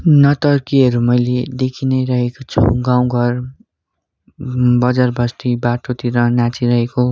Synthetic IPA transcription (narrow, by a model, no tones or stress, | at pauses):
nʌt̪ʌrkiɦʌɾumʌjled̪ekʰinʌjɾʌɦekot͡sʰṵɡãw̃ɡʱʌr | bʌd͡zarbʱʌst̪ibaʈot̪iɾʌnãt͡siɾʌɦeko